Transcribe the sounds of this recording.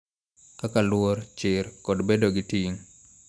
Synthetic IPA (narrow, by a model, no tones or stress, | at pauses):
kakalwoɾt͡ʃɪɾkɔdbedoɡɪtiŋ